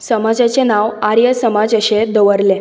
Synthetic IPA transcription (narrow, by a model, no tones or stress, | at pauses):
səmad͡zat͡senaʋaɾjəsəmad͡zəɕẽd̪əʋəɾlẽ